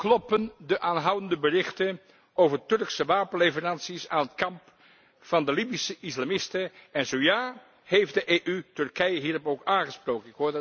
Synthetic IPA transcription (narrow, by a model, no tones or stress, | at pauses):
klɔpəndəʔaːnɦʌwəndəbərɪχtə | owvərtɵrksəʋaːpənlevərɑnsisaːnətkɑmp | fɑndəlibisəʔɪslaːmɪstəɛnzowjaː | hejfdəʔeːʔytɵrkɛjəɦiːrɔpowkaːnχəsprowkənɪkɦoː